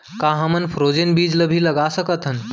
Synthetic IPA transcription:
kãɦəmənpʰɾod͡ʒenbid͡ʒləbʱiləɡasəkət̪ʰɦən

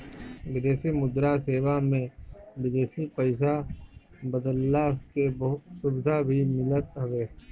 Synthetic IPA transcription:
ʋɪd̪eːsimʊd̪ɾaseːʋamẽbɪd̪eːsipɐɪs̬a | bəd̪əlːaskebɐɦʊt̪sʊbɪd̪ʱabʱimɪlət̪ɦɐʋeː

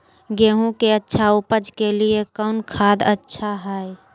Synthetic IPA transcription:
ɡeːɦũkeətːʃʰaʊpəd͡ʒkeliekɔːnkʰaːd̪ətːʃʰaɦaːi

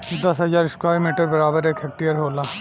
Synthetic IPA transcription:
d̪ɐsɦɐzaːɾɪskwaːmiːʈəɾbɐɾaːbəɾeːkʰek̚ʈijəɾɦoːlaː

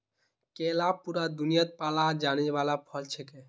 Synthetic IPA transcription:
kelapuɾad̪unijət̪̚palad͡ʒanibalapʰəlt͡ʃʰɛke

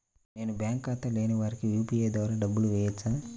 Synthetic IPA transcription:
ne̞ːnubjaːŋkaːt̪ːɐleːnɐʋaːɾikijuːpieːd̪ʋaːɾaːɖɐbːuluʋɛːjɐt͡ʃːaː

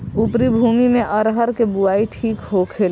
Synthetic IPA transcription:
upɾibʱuːmimẽʔəɾɦəɾkebuaːiʈʰiːkɦokʰeːl

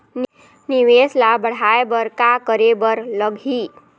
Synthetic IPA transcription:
n | niʋeslabəɽ̤aebəɾkakəɾebəɾləɡʱi

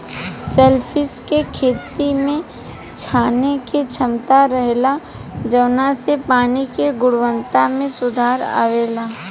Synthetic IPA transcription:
seːlpʰɪskekʰeːt̪imẽ | t͡ʃʰaːneket͡ʃʰɐmt̪aɾɐɦla | d͡ʒɐʋnasepaːnikeɡʊɽʋə̃nt̪amẽsʊd̪ʱaːɾa̰ːʋeːlaː

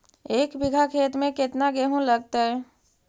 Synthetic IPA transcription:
eːkbɪɡʱakʰeːt̪mẽkɪt̪naɡeɦũləɡ̚t̪aɦɛ

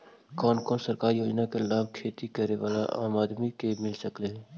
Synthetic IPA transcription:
kɔːnkɔːnsəɾkaːɾijoːd͡ʒnakelaːb̚kʰeːt̪ikəɾeʋaːla̰ʔa̰ːmaːd̪mikemɪlsəkleɦɛ̃ː

